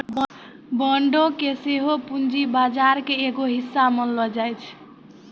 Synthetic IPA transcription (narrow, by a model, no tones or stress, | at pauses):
bəɳɖõkeseɦopund͡ʒibad͡ʒaɾkeeɡoɦisːamənlɔd͡ʒajt͡ʃʰ